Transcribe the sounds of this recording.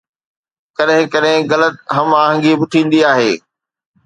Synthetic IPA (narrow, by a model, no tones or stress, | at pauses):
kɐɗɦɪ̃kɐɗɦɪ̃ɣɐlət̪̚ɦɐmaːɦə̃ŋɡibʊʈʰĩːn̆d̪iaːɦeː